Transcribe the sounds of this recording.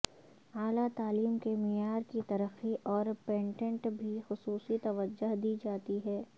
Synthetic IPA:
aːlat̪aːliːmkemɪjaːɾkit̪ɐɾəxiʔɔːɾpẽːɳʈə̃ɳʈbʱixʊsuːsit̪ɐʋəd͡ʒəɦd̪iːd͡ʒaːt̪iɦɛː

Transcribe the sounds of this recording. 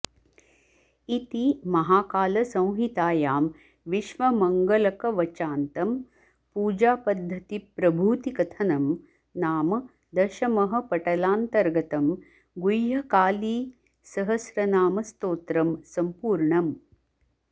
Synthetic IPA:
it̪imɐɦaːkaːlɐsɐ̃w̃ɦit̪aːjaːm | ʋiʃʋɐmɐŋɡɐlɐkɐʋɐt͡ʃaːnt̪ɐm | puːd͡ʒaːpɐd̪ʱːɐt̪ipɾɐbʱuːt̪ikɐt̪ʰɐnɐm | naːmɐ | d̪ɐʃɐmɐɦɐ̆pɐʈɐlaːnt̪ɐɾɡɐt̪ɐm | ɡujɦɐkaːliː | sɐɦɐsɾɐnaːmɐst̪oːt̪ɾɐmsɐmpuːɾɳɐm

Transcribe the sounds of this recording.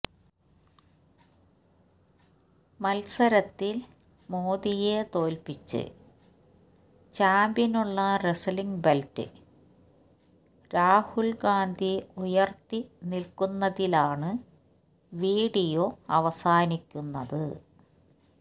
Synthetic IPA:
mɐlsɐɾɐt̪ːil | moːðijet̪o̞ːlpit͡ɕːɨ̰ | t͡ɕaːmbjɐnuɭːɐresliŋɡbeltɨ̰ | ɾaːhulɡaːnd̪ʱiujɐrt̪inilkunːɐðilaːɳɨ | ʋiːɽijo̞ɐʋɐsaːnikʲːunːɐðɨ

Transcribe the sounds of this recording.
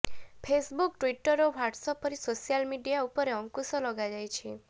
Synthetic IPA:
pʰesbukʈwiʈəɾoʋaʈsɔpɔɾisosijalmiɖijaupɔɾeɔŋkusɔlɔɡad͡ʒajt͡ʃʰi

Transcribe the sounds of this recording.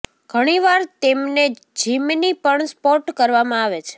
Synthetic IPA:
ɡ̥ʱəɽ̃iʋaɾt̪emne | d͡ʒimnipəɳspɔʈkəɾʋamãaʋet͡ʃʰe̥

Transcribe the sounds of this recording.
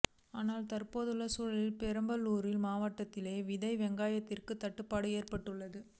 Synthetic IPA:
aːnaːlt̪ɐrpoːðɯlːɐsuːɻɐlɪlpɛɾɐmbɐlːuːɾɪlmaːʋɐʈːɐt̪ːɪleːʋɪðɐɪʋɛŋɡaːjɐt̪ːɪrkɯt̪ːɐʈːɯpːaːɽɯeːrpɐʈːɯɭːɐðɯ

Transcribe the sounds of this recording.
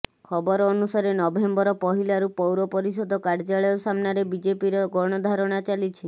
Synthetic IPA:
kʰɔbɔɾɔːnusaɾenɔbembɔɾɔpɔɦilaɾupɔwɾɔpɔɾisɔd̪ʱɔkaɾd͡ʒaɭɔjɔsamnaɾebid͡ʒepiɾɔɡɔɽ̃ɔd̪ʱaɾɔɽ̃at͡ʃalit͡ʃʰi

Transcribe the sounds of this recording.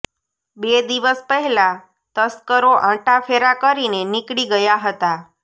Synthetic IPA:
bed̪iʋəspəɦɛla | t̪əskəɾoʔãʈafʰeɾakəɾinenikɽiɡəjaɦət̪a

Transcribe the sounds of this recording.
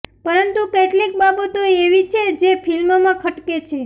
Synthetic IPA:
pəɾənt̪ukeʈlik̚babət̪oeʋit͡ʃʰed͡ʒepʰilmomãkʰəʈket͡ʃʰe

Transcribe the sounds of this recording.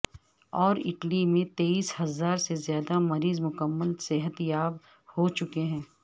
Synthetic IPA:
ɔːɾɪʈlimẽt̪eːiːshɐzaːɾsezjaːd̪amɐɾiːzmʊkəmːəlseɦət̪jaːb | hot͡ʃʊkeɦɛ̃ː

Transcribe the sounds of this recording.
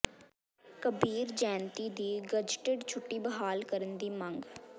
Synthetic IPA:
kəbiːɾd͡ʒɛːnt̪iːd̪iːɡəd͡ʒʈeɖt͡ʃʰʊʈːiːbəɦaːlkəɾənd̪iːmə̃ŋɡ

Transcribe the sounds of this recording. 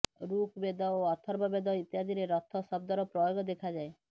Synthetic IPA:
ɾukbed̪ɔoɔt̪ʰɔɾbɔbed̪ɔit̪jad̪iɾeɾɔt̪ʰːɔsɔb̚d̪ɔɾɔpɾɔjoɡɔd̪ekʰad͡ʒae

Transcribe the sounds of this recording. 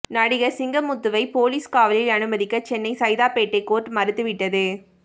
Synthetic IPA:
nɐɽɪɣɐɾsɪŋɡɐmʊt̪ːɯʋɐɪpoːliːskaːʋɐlɪlɐnɯmɐðɪkːɐt͡ʃɛnːɐɪsɐjðaːpeːʈːɐɪkːoːʈːmɐɾɯt̪ːɯʋɪʈːɐðɯ

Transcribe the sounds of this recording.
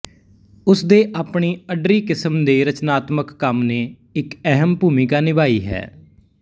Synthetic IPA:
ʊsd̪eːʔaːpɳiːəɖɾiːkɪsəmd̪eːɾət͡ʃnaːt̪məkːəmneː | ɪkɛɦəmbuːmɪkaːnɪbaːiːɦɛ̰ː

